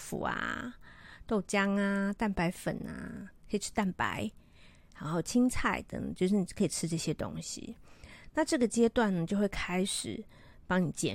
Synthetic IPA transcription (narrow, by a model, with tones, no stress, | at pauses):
fṵ˨˩a̰˩ | t̪o˥˧ʊt͡ɕjɑ˦ŋa˨t̪a˥˩npa˧˥ɪfə̰˨˩na̰˩kʰə˧˥i˨˩y̥˥˧t̪a˥˩npa̰˧˦ɪ | ha˧˦xo˥˩ʊt͡ɕʰi˦ŋt͡sʰa˥˩ɪt̪ə̰˧˦ŋ˨˩t͡ɕjo˥˧ʊʂ̬ɻ̩˥˩ni˨˩kʰə˧˦i˨˩ʈ͡ʂʰɻ̩˦ʈ͡ʂɤ˥˩ɕjɛ˦t̪o̰˦ŋɕḭ˨na˥˧ʈ͡ʂɤ˥˩ɡə˨˩t͡ɕjɛ˥t̪wa˥˩nnə˩t͡ɕjo˥˧ʊxwe˥˩ɪkʰa˥ɪʂɻ̩˨˩ | pɑ˦˥ŋni˨˩˦t͡ɕjɛ̰˨˦